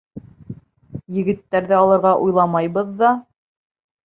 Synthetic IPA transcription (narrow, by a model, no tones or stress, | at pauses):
jɘ̆ɡɘ̆t̪ːæɾðɘɑlˠɤ̆ɾʁɑʔujlˠɑmɑjβɤðːɑ